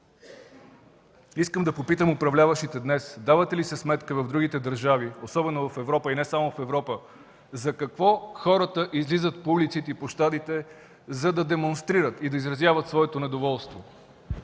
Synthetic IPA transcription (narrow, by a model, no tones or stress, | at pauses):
iskəmd̪ɐpopit̪əmopɾɐvlʲavəʃit̪ɛd̪nɛsd̪avət̪ɛlisɛsmɛt̪kəvɐvd̪ɾuɡ̟it̪ɛd̪əɾʒaviosɔbɛnovəfɛvɾɔpəinɛsamofɛvɾɔpə | zɐkɐkvɔxɔɾət̪əʔizlizət̪publit̪sit̪ɛipoʃt̪ad̪it̪ɛ | zɐd̪ɐd̪ɛmonst̪ɾiɾət̪id̪ɐizɾɐzjavət̪svɔɛt̪onɛd̪ovɔlˠst̪vo